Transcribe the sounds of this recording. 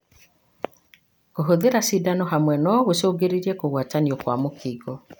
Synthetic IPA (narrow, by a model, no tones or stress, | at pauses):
koɦoðeɾasidanɔɦamwɛnɔɣosoːɡeɾiɾiɛkoɣwataniɔkwamokiːɡɔ